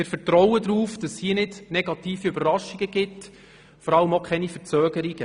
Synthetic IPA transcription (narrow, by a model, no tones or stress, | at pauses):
mɪɾfəɾtɾɔwəd̪ɾuːfd̥ɑsiːnɪdnɛɡ̥ɑtiːfiøbərrɑʃːiɡ̥əɡ̥ɪt | fɔɾɑləmokʰχɛnifəɾt͡søːɡəɾiɡ̥ə